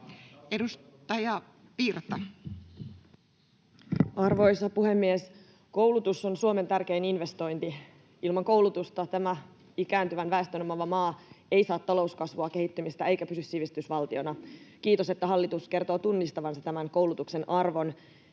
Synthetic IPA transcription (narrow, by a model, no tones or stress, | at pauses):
edust̪ɑjɑ | piːrt̪ːɑ | ɑrʋo̞jsɑpuhe̞mːies | ko̞wlut̪usːo̞nsuo̞me̞nt̪ærk̟e̞ːninʋe̞st̪o̞jnt̪i | ilmɑŋko̞wlut̪ust̪ɑt̪æmæ | ikæːnt̪yʋænʋæe̞st̪ønomɑʋɑmɑːe̞jsɑːt̪ːɑlo̞uskɑsʋuɑke̞hit̪ːymist̪æe̞jkæpysysːiʋist̪ysʋɑlt̪io̞nɑkiːt̪o̞se̞t̪ːæɦɑlːit̪uske̞rt̪o̞ːt̪unːist̪ɑʋɑnsɑt̪æmænko̞wlut̪ukse̞nɑrʋo̞n